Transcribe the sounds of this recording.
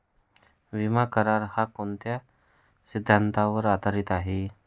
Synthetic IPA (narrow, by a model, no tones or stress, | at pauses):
ʋimakəɾaɾhakont̪ja | sɪd̪ʱːant̪aʋəɾaːd̪aɾɪt̪aːɦi